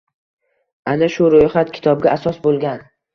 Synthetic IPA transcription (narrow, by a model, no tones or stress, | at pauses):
anaʃʊɾojχat̪̚kʲʰɪ̥t̪ʰɒb̚ɡʲaʔasɒsbolˠɡʲan